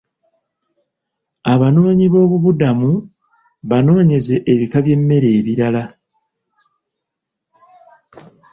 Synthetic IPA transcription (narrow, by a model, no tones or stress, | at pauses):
aβano̞ːɲiβo̞ːβuβudamu | βano̞ːɲe̞ze̞ʔːβikaβje̞mːe̞ɾe̞ːβiɾala